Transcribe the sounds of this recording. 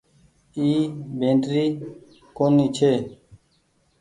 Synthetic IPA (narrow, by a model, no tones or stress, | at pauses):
iːbẽːnʈɾiː | koːniːt͡ʃʰeː